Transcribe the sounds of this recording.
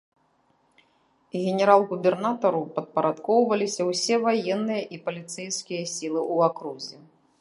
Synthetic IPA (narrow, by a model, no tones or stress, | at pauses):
ɣʲɛnʲɛɾalˠɣubʲɛrnat̪ɐɾupɐt̪̚pɐɾʔat̪kɔwvɐlʲisʲɐwsʲɛvajɛnːɨjɐʔipɐlʲit̪sɛjskʲijɐsʲilˠɨʔuakɾuzʲi